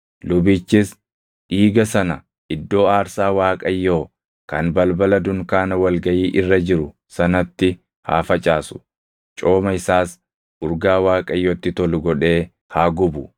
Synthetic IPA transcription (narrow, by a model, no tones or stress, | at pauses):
lʊbiːt͡ʃːɪs | ʔiːɡɐsɐnɐ | ʔɪd̪ːo̞ːaːɾsaːwaːkʼɐjːo̞ː | kɐnbɐlbɐlɐd̪ʊŋkaːnɐwɐlɡɐjiːʔɪrːɐd͡ʒɪɾʊ | sɐnɐt̪ːɪ | ha̰ːfɐt͡ʃʼaːsʊ̥ | t͡ʃʼo̞ːmɐɪsaːs | ʔʊɾɡaːwaːkʼɐjːoːt̪ːɪt̪ɔlʊɡɔᶑe̞ː | haːɡʊbʊ